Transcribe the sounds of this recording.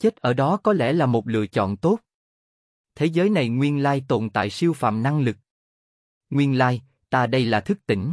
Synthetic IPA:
t͡ɕe˦˥t̚ʔəː˧˩ɗɔ˨˦kɔ˨˦lɛ̰˧˩laː˨˩mo˨˩t̚lɨ̰˧˨ət͡ɕɔ̰˧˨nt̪o˦˥t̚ | t̪ʰe˨˦zəː˨˦jna˨˩jŋwi˧ənlaː˧jt̪o˧˩˨nt̪a̰ː˧˨jsi˧əwfa̰ː˧˨mna˧ŋlɨ˨˩k̚ | ŋwi˧ənlaː˧j | t̪aː˧ɗə˧jlaː˨˩t̪ʰɨ˦˥k̚t̪ï˧˩ŋ̟

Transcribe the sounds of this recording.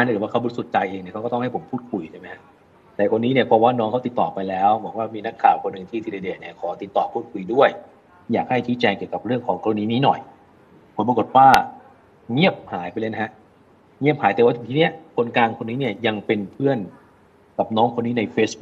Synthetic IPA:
a˧˥nʰ˧˥˩waː˥˩ka˧˩bu˧˥˩so˨˩t̪̚t͡ɕa˧jʔeː˧ŋni˥˩kʰwkɔ˥˩t̪ɔ˥ŋha˥˩jpʰo˩˦mpʰuː˥˩t̪̚kʰu˨˧˩jt͡ɕʰa˥˩ma˦˥ha˦˥ʔ | t̪ɛː˨˩kʰo˧nːiː˦˥ni˥˩ɐpʰɔ˧waː˥˩nɔː˦˥ŋkʰa˥wt̪i˨˩t̪ːɔː˨˩pa˧jlɛː˦˥wbɔː˩˦k̚waː˥˩miː˧na˦˥kʰːaː˨˩wkʰo˧nːɯ˨˩ŋt̪ʰiː˥˩t̪ʰiː˧le˧deː˨˩t̚ni˥˩ɐkʰɔː˩˦t̪i˨˩t̪ːɔː˨˩pʰuː˥˩t̪̚kʰu˧˩jdu˥˩əj | jaː˨˩k̚ha˥˩jt͡ɕʰiː˦˥t͡ɕɛː˧ŋki˨˩wka˨˩p̚ɾɯ˥˩əŋkʰɔː˨˦ŋkɔ˧a˧niː˦˥niː˦˥nɔ̰˨˩j | pʰo˩˦mpɾa˧ko˨˩t̪̚waː˥˩ | ŋi˥˩əp̚haː˨˩˦jpa˧jlɤ˧˩na˦˥ɦa˦˥ʔ | ŋi˥˩p̚haː˨˦jt̪ɛ˨˩wa˥˩t̪ʰi˨˩t̪i˦˥ni˦˥˩ɐkʰo˧nkaː˧nkʰo˧nːiː˦˥ni˥˩əja˧ŋpe˧npʰɯ˥˩ən | ka˨˩p̚nɔː˦˥ŋkʰo˧nːiː˦˥na˧jfeː˦˥sbu˦˥

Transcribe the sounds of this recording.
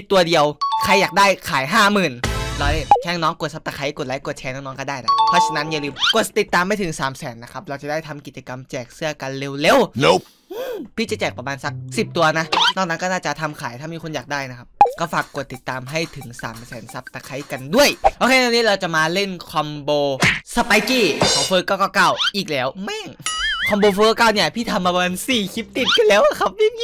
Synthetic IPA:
i˨˩t̪ːu˧ɐdi˧əwkʰa˧jːaː˨˩k̚daː˥˩jkʰaː˨˩˦jɦaː˥˩mɯː˨˩nlɔː˧le˧˥˩t͡ɕʰɛː˧˥˧ŋnɔː˦˥ŋku˨˩ət̪̚sa˦˥pt̪aː˧kʰa˧˦˥jku˨˩t̪̚aː˨˦ku˨˩ət̪̚t͡ɕʰɛː˧nɔː˦˧˥ŋnɔː˦˥kɔ˥˩daː˥˩jna˦˥˦pʰɾɔ˦˥t͡ɕʰa˧na˦˥nja˧˨lɯː˧mku˨˩ət̪̚t̪i˨˩t̪ːaː˧mːa˥˩jt̪ʰɯ˩˦ŋsaː˩˦msɛː˩˦nːa˦˥kʰa˦˥p̚ɾa˧wt͡ɕa˨˩daː˥˩jt̪ʰa˧mki˨˩t̪̚t͡ɕa˧ka˧mt͡ɕɛː˨˩k̚sɯ˥˩ɐka˧nle˧wle˧wl | ʔɯ˧pʰiː˧˥˩t͡ɕa˨˩t͡ɕɛː˨˩k̚pa˧bmaː˧nsa˦˥k̚si˨˩p̚t̪u˧ɐna˦˥nɔː˥˩k̚na˦˥kɔː˥˩naː˥˩t͡ɕa˨˩t̪ʰa˧mkʰaː˩˦j̪ʰaː˥˩miː˧kʰo˧njaː˨˩k̚daː˥˩jna˦˥kʰa˦p̚kɔː˥˩faː˨˩kːu˨˩ət̪ːi˨˩t̪ːaː˧mɦa˥˩jt̪ʰɯ˩˦ŋsa̰ː˩˦msɛː˩˦nsa˦˥p̚t̪a˧kʰa˦˥jka˧ndu˥˩əjʔoː˧kʰe˧˥nɛː˧niː˦˥˩ɾa˧wt͡ɕa˨˩maː˧le˥˩nkʰɔ˧mboː˧sa˧pa˧jkiː˧˥˩kʰɔː˨˦wfɤː˦˥kːɔː˥˩kɔː˧˩ka˥˩˨wʔiː˨˩k̚lɛː˦˥wmɛː˥˩ŋkʰɔ˧mboː˧fɤː˧˦˥kaː˧˥˩wni˧˩ɐpʰiː˥˩t̪ʰa˧mːaː˧maː˧nsiː˨˩kʰi˦˥p̚t̪i˨˩t̪̚kʰɯ˧˩lɛː˦˥wʔa˧˩kʰa˦˥p̚miː˥˧˦

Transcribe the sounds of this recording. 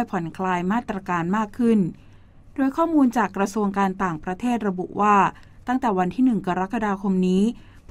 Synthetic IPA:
jpʰɔ˩˦nkʰlaː˧jmaː˥˩t̪ːɾa˧kaː˧nmaː˥˩kʰːɯ˥˩n | d̥oː˧jkʰɔː˥˩muː˧nt͡ɕaː˨˩kːɾa˧su˧əŋkaː˧nt̪aː˨˩ŋpɾa˧t̪ʰeː˥˩t̪̚ɾa˧bu˨˩ʔwaː˥˩ | t̪a˥˩ŋt̪ɛː˨˩wa˧nt̪ʰiː˥˩nɯ˨˩ŋka˧ɾa˦˥ka˧daː˧kʰo˧mniː˦˥ | p

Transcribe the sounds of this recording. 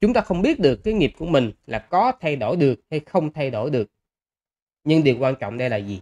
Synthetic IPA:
t͡ɕʊ˨˦ŋ͡mt̪aː˧xə˧wŋ͡mɓi˦˥ət̚ɗɨ˨˩əkːaː˨˦jŋi˨˩p̚ku˧˩əmï˨˩ŋ̟laː˨˩kɔ˨˦t̪ʰa˧jɗo˧˩jɗɨ˨˩ək̚ha˧jxə˧wŋ͡mt̪ʰa˧jɗo˧˩jɗɨ˨˩ək̚ | ɲɨ˧ŋɗi˨˩əwkwaː˧nt͡ɕɔ̰˧˨wŋ͡mɗə˧jlaː˨˩zi˨˩

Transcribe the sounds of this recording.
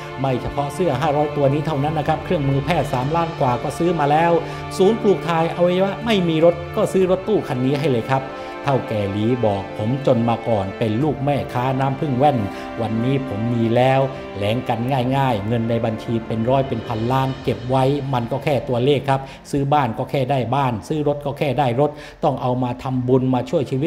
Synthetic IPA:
ma˧˥˩jt͡ɕʰa˧pʰɔ˦˥ʔsɯ˥˩ɐɦaː˥˩ɾɔː˦˥jt̪u˧ɐniː˦˥t̪ʰa˥˩wna˦˥nːa˦˥kʰa˦˥p̚kʰɾɯ˥˩əŋmɯː˧pʰɛː˥˩t̪̚saː˩˦mlaː˦˥nkwaː˨˩kɔː˥˩sɯː˦˥maː˧lɛː˦˥w | suː˨˦npʰluː˨˩k̚t̪ʰaː˧jʔa˧wʔa˧˩wa˦˧˥ma˥˩jmiː˧ɾo˦˥t̪̚kɔː˥˩sɯː˦˥ɾo˦˥t̪ːuː˥˩kʰa˧nːiː˦˥ɦa˥˩jlɤː˧jkʰa˦˥p̚ | t̪ʰa˥˩wkɛː˨˩liː˨˩˦bɔː˨˩k̚pʰo˩˦mt͡ɕo˧nmaː˧kɔː˨˩npe˧nluː˥˩k̚mɛː˥˩kʰaː˦˥naː˦˥mpʰɯ˥˩ŋwɛ˥˩n | wa˧nːiː˦˥pʰo˩˦mːiː˧lɛː˦˥w | lɛː˩˦ŋka˧nŋaː˥˩jŋaː˥˩jŋɤ˧nda˧jba˧nt͡ɕʰiː˧pe˧nɾɔː˦˥jpe˧npʰa˧nlaː˦˥nke˨˩p̚wa˦˥jma˧nkɔː˥˩kʰɛː˥˩t̪u˧ɐleː˥˩kʰːa˦˥p̚ | sɯː˦˥baː˥˩nkɔː˥˩kʰɛː˥˩daː˥˩jbaː˥˩nsɯː˦˥ɾo˦˥t̪̚kɔː˥˩kʰɛː˥˩daː˥˩jɾo˦˥t̪̚ | t̪ːɔ˥˩ŋʔa˧wmaː˧t̪ʰa˧mbu˧nmaː˧t͡ɕʰu˥˩əjt͡ɕʰiː˧i˦˥

